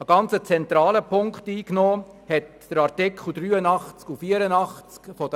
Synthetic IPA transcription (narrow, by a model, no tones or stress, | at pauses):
əɡ̥ɑnt͡sət͡sɛnt̪ɾɑːləpʰʊŋkχtiːknoː | hɛt | d̥əɾɑɾtɪkʰl̩ˠd̥̪ɾyːənɑχt͡skufiːəɾənɑχt͡skfɔdə